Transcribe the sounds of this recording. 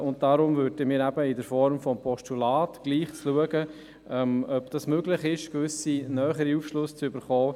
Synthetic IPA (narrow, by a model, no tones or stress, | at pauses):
ʊnt̚d̥ɑɾʊmvøɾd̥əmiːɾæb̥əɪdəɾfɔɾmfɔmpʰɔʃtulɑːtɡ̥liːχt͡sluəɡə | ɛmœbd̥ɑsmøɡlɪχɪʃkvʏsinœːχəɾiuːfʃlʊst͡sʏbəɾχɔː